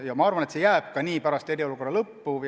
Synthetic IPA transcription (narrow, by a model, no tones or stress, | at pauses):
jɑmɑɑrvɑne̞t̪se̞jæːb̥̚kɑniːpæɾɑst̪e̞ɾio̞luko̞rːɑlɤpːu